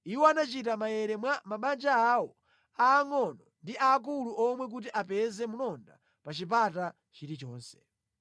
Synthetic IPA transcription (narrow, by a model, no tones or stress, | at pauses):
iwɔanat͡ʃitamajɛɾɛmwamaɓand͡ʒaawɔ | aːŋɔnɔndiʔaːk̬uluʔɔmwɛk̬ut̬iʔapɛzɛmulɔnda̰ | pat͡ʃip̬ata | t͡ʃiɾit͡ʃɔːnsɛ̥